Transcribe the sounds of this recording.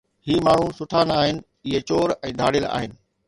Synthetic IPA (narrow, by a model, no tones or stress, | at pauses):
hiːmaːɳ̤usʊʈʰaːnaːɦɪnɪ̆ | ɪɦet͡ɕoːɾɛ̃ːd̪ʱa̰ːɽɪla̰ːɦɪnɪ̆